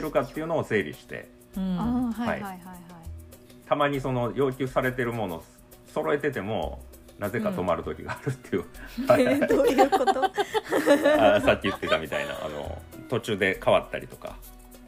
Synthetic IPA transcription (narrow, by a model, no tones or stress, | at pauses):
eɾɯ̟kat̪ːe̞iɯ̟noːse̞ːɾʲḭɕi̥t̪e̞̰ | ha̰ḭaa | t̪amaɲ̟iso̞no̞jo̞ːk̬ʲɨ̟ːsaɾe̞t̪̬e̞ɾɯ̟mo̞no̞ | so̞ɾo̞e̞t̪e̞t̪e̞mo̞̰ | naze̞kat̪o̞maɾɯ̟t̪o̞kʲiɡaːɾɯ̟t̪ːejɯ̟aojɯot̪o | asakʲːiɯ̟t̪ːe̞t̪amʲit̪a̰ḭna̰ʔa̰no̞̰t̪o̞t͡ɕɨːd̪e̞kaβat̪ːa̰ɾʲit̪o̞ka̰